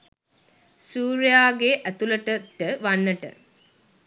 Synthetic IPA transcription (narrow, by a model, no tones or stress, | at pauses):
suːɾjaːɡeʔæt̪uləʈəʈəʋanːəʈə̰